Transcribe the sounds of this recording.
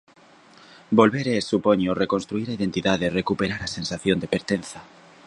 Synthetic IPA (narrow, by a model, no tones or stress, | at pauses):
bolβeɾesːupoɲorekonst̪ɾuiɾaiðent̪iðaðerekupeɾaɾasensaθjond̪epeɾt̪en̟θa